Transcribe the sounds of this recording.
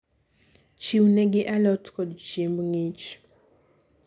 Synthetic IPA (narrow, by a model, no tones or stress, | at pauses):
t͡ʃiunɛɡiʔalɔtkɔdt͡ʃimbuŋit͡ʃ